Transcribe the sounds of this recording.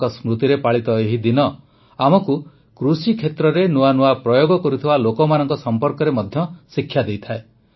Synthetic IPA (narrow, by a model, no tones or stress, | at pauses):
kɔsmɾut̪iɾepaɭit̪ɔeɦid̪inɔ | amɔku | kɾusikʰet̪ɾɔɾenuanuapɾɔjoɡɔkɔɾut̪ʰibalokɔmanɔŋkɔsɔmpɔɾkɔɾemɔd̪ʱjɔsikʰːjad̪ejt̪ʰae